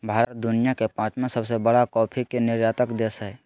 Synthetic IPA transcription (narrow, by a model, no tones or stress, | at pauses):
bʱaːɾət̪̚d̪ʊnɪjakepãːt͡ʃmẽsəbsebəɽakɔːpʰikenɪɾjaːt̪əkd̪esɛ